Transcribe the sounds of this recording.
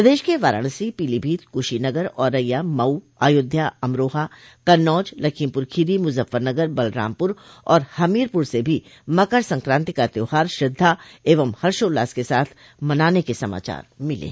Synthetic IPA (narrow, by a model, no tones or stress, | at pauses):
pɐd̪eːʃkeʋaːɾə̰ːɽ̃sipiːlibʱiːt̪̚kuʃinɐɡəɾɔːɾːɐjːamɐu | aːjʊd̪ʱːjaɐmɾoːɦa | kɐnːɔːd͡ʒlɐkʰimpʊɾkʰiːɾimʊzəfːəɾnɐɡəɾbɐlɾa̰ːmpʊɾ | ɔːɾhɐmiːɾpʊɾsebʱimɐkəɾsɐ̃ŋkɾãːnt̪ikat̪oːɦaːɾʃɾɪd̪ʱːaeːʋəmhɐɾʃoːlaːskesa̰ːt̪ʰ | mɐnaːnekesɐma̰ːt͡ʃa̰ːɾmɪlḛː